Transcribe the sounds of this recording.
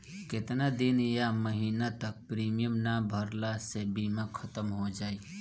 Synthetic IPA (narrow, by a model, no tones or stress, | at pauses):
ket̪nad̪injaməɦinat̪ək̚pɾimijəmnabʱəɾlasebimekʰət̪əmɦod͡ʒaːi